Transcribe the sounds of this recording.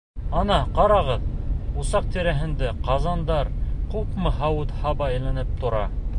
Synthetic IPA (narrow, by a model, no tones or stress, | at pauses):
ɑnɑqɑɾɑʁɤðusɑq̚t̪iɾæɦɘ̆nd̪æqɑzɑnd̪ɑɾqupmɤhɑwɤt̪hɑβɑĕjlænɘp̚t̪ŏɾɑ̰